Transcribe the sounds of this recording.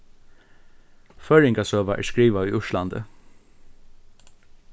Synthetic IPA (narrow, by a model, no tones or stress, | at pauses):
fœɹɪŋkasøːʋaʔæ̰ːɹskɹiːʋaʏʊʃland̪ə̰